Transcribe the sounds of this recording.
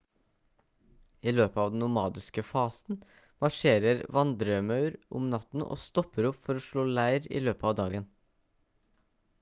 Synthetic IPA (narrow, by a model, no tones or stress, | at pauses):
iːløːpəɑːʋd̪ɛn̩ʊmɑːd̪ɪskəfɑːsn̩ | mɑʂeːɾəɾʋɑnd̪ɾəmɑʉɾʔʊ̰mnɑt̪n̩ʔo̰ːst̪ɔpəɾʊpfɔɾoːʂɭoːlæɪɾḭːløːpəɑːʋd̪ɑːɡən